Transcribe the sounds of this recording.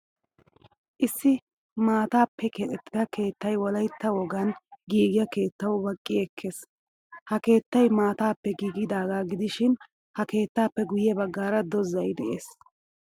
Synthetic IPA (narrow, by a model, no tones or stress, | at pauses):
ʔɪsːɪ | maːt̪aːpːɛkɛt̪ʼɛt̪ːɪd̪ɐke̞ːt̪ːɐjwɔlɐjt̪ːɐwɔɡɐnɡiːɡɪjɐke̞ːt̪ːɐwbɐkʼːɪɛkʰːes | hɐke̞ːt̪ːɐjmaːt̪aːpːɛɡiːɡɪd̪aːɡaːɡɪd̪ɪʃɪn | hɐke̞ːt̪ːaːpːɛɡʊjɛbɐɡːaːɾɐd̪ɔzɐjd̪ɛʔeːs